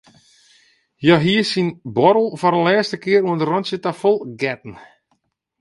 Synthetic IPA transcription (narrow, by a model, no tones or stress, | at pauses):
jɔɦiəsinbɔɾəl̩ˠfɔɾəlɛːstəkɪəɾuəndərɔnsjətafolˠɡɛtn̩